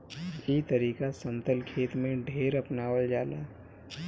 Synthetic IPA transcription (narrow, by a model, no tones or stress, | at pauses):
iːt̪əɾiːkasə̃nt̪əlkʰeːt̪mẽɖʱeːɾɐpnaːwəld͡ʒaːla̰ː